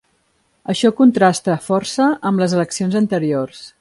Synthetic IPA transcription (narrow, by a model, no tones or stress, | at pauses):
əʃɔkunt̪ɾast̪əfɔrsəʔəmləzələksionzənt̪əɾiors